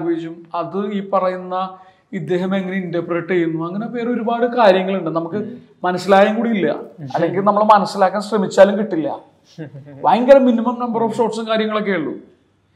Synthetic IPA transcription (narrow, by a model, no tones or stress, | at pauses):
ʋeːt͡ɕumɐðɨiːpɐrɐjunːɐ | id̪ːe̞ːɦɐme̞ŋːɐneindɐpreːʈːejːunːuɐŋːɐne̞pe̞ːro̞ɾubaːɽɨkaːɾjɐŋːɐɭuɳɖɨnɐmukːɨ | mɐnɐsːilaːjaːŋkuːɽiilːɐ̰ɐlːe̞ŋɡilnɐmːɐɭmɐnɐsːilaːkːaːnɕrɐmit͡ɕːaːlumkiʈːilːɐ̰ | ʋajŋɡɐlɐmːinimɐmnɐmbɐroːfso̞ːʈsɐnkaːɾjɐŋːɐɭo̞k̬ːeːɭːṵ